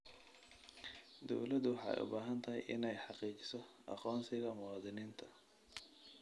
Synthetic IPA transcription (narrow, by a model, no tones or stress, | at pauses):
d̪ɔ̰wlɐd̪ʊwɑħɑ̰ːɛ̰jʔʊ̰baːɦɐnt̪ʰɐɦɛ̰jʔɪ̰nɛjħɑqiːt͡ʃɪ̥sɔʔɑ̰qɔːnsɪɣɐmʊwɑːðɪniːnt̪ʰɐ̥